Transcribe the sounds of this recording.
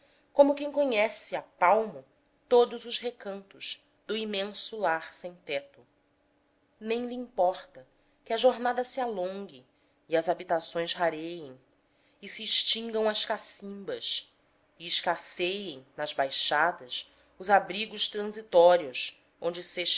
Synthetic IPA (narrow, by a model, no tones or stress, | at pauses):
kõmʊkẽj̃koɲɛsɪapawmʊ | t̪od̪ʊzʊzɦekɐ̃nt̪ʊz | d̪ʊimẽsʊlaɾsẽj̃t̪ɛt̪ʊ | nẽj̃liĩmpɔχt̪ɐ | kɪɐʒoɾnad̪ɐsɪalõŋɡɪː | ɐzabit̪asõj̃sɦaɾejẽj̃ | ɪsiːʃt͡ʃĩŋɡɐ̃w̃ɐʃkasĩmbɐʃ | ɪɪʃkasejẽj̃nɐzbajʃad̪ɐs | ʊzabɾiɡʊʃt̪ɾɐ̃zit̪ɔɾiʊs | õnd͡ʒɪseʃ